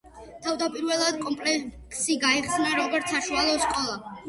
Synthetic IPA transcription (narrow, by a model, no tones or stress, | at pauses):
t̪ʰavd̪apʼiɾvɛlˠad̪̚kʼɔmpʼlɛkʰsiɡaiχsnaɾɔɡɔɾt̪sʰaʃualˠɔskʼɔlˠa